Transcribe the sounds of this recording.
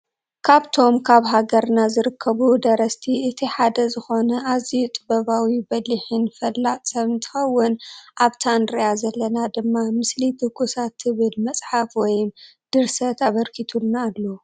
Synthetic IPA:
kʰaβt̪ʰo̞mkʰaβɦaɡɐɾnazɨɾɨkʰːɐβud̪ɐɾɐst̪ʰiɨt̪ʰiħad̪ɐzɨxo̞nɐʔazijut̪ʼɨbɐβawibɐliħɨnfɐlːasʼɐβnt̪ʰɐ̥xɐwːʊnʔaβt̪ʰanɾijazɐlːɐnad̪ɨmːamɨslid̪ɨɡʼusat̪ʰːɨβɨlmɐsʼħafwɔjmd̪̥ɨɾsɐt̪ʰaβɐɾkʰit̪ʰulnaːlːo

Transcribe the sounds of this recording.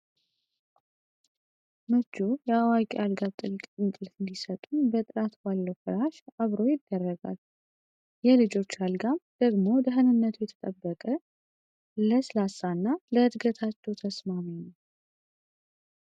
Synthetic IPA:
mɨd͡ʒujɛawakʼialɡaβt̪ʼɨlkʼɨŋkʼɨlɨnd̪isət̪ʼunbət̪ʼɨɾat̪balːəwfɨɾaʃaβɾo̞jɪd̪ːərːəɡa̰l | jɛlɨd͡ʒo̞t͡ʃːalɡamd̪̥əɡmo̞d̪əɦənɨnːət̪ʰujɛt̪ʰə̥t̪ʼəbːəkʼə | ləslasanːaləd̪ɡət̪ʰat͡ʃːɛwt̪ʰəsmaminəw

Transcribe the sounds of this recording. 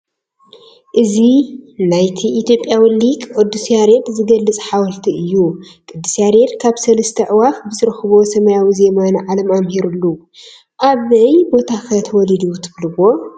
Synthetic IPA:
ʔɨzinajt̪ʰiʔit̪ʰjopʼːjawɨlːikʼʔod̪ːusjaɾed̪zɨɡɐlːɨt͡sʼħawɐlt̪ʰiɨjːukʼɨd̪ːɨsaɾed̪kʰaβsɐlɐst̪ʰɐʕɨwafbɨzɨɾɐxβo̞sɐmɐjawize̞manʕalɐmamhiɾulːu | ʔaβɐjbo̞t̪ʰakʰɐt̪ʰɐwɔlid̪ut̪ʰɨβlɨwo̞

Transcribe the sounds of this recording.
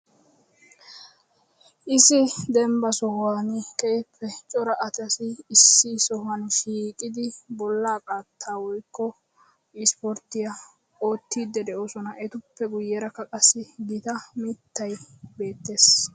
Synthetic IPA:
ʔɪsɪd̪ɛmbɐsɔhwanɪkɛjɪpʰːɛt͡ʃʼɔɾɐʔɐt̪ɐsɪːsːɪsɔhɐnʃiːkʼɪd̪ɪbɔlːaːkʼaːt̪ʰːaːwɔjkːɔ | ɪspɔɾt̪ːɪjɐ | o̞ːt̪ːiːd̪ːɛd̪ɛʔosɔnɐʔɛt̪ʊpːɛɡʊjːɛɾɐkːɐkʼɐsːɪɡɪt̪ɐmɪt̪ːɐjbe̞ːt̪ːe̞ːs

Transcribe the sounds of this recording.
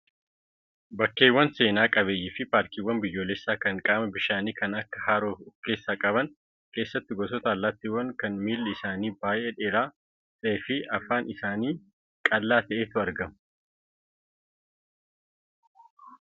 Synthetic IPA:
bɐkːe̞ːwːɐnse̞ːnaːkʼɐβeːjːɪfɪpaːɾkiːwːɐnbɪjːo̞ːlɛsːaːkɐŋkʼaːmɐbɪʃaːniːkɐnɐkːɐ̥haːɾoːfʊkːe̞ːsːaːkʼɐbɐŋ | ke̞ːsːɐt̪ːɪɡɔs̬ɔt̪aːlːaːt̪ːiːwːɐŋkɐnmiːlːɐɪsaːniːbaːjʔeːᶑeːɾaː | tʼeːfɪɐfaːnʔɪsaːniː | kʼɐlːaːt̪ɐʔeːt̪ʊɐɾɡɐm

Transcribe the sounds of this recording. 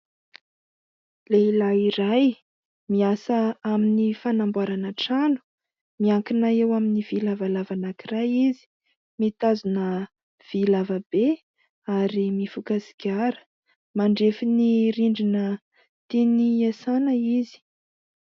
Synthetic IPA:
leilaiɾaj | miasəaminifanambwaɾanəʈ͡ʂanu̥ | miaŋkinaewaminiv̥ilavalavanakirajizi̥ | mit̪azunə | v̥ilavəbe | aɾimifukasi̥ɡʲaɾə̥ | maɳɖ͡ʐefiniɾiɳɖ͡ʐinə | t̪eniesanəizi̥

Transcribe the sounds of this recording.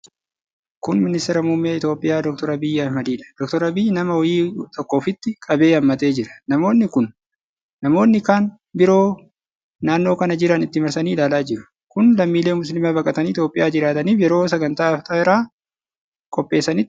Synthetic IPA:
kʊnmɪnɪst̪ɪɾɐmʊmːɪjaɪt̪jo̞ːpʼːɪjaːd̪ɔk̚t̪ɔɾɐbɪjːɐhmɐd̪iːᶑɐ̥d̪̥ɔkt̪ɔɾɐbɪjːnɐmɐwɔjiːt̪ʰɔkːo̞ːfɪt̪ːɪkʼɐbe̞ːɐmːɐt̪e̞ːd͡ʒɪɾɐ̥nɐmo̞ːnːɪkʊnː | ɐmo̞ːnːɪkaːn | bɪɾo̞ː | naːnːo̞ːkɐnɐd͡ʒɪɾɐnɪt̪ːɪmɐɾsɐniːɪlaːlaːd͡ʒɪɾʊ̥ | kʊnlɐmːiːle̞ːmʊs̬lɪmaːbɐkʼɐt̪ɐniːt̪joːpʼːɪjʔaːd͡ʒɪɾaːt̪ɐniːfjɛɾo̞ːs̬ɐɡɐnt̪aːft̪ʼɐːɪɾaː | kʼɔpʼːe̞ːsːɐnɪ

